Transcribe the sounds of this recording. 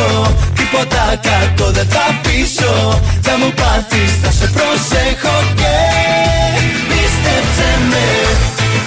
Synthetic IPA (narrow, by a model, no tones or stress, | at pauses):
ot̪ipot̪akaɾt̪oðet̪apisod͡ʒamopat̪ist̪asepɾosexoke | βist̪esend̪e